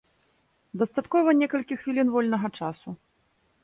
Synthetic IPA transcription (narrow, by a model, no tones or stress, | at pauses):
d̪ɐst̪at̪kɔvɐnʲɛkɐlʲkʲixvʲilʲinvɔlʲnɐɣɐt͡ʂasu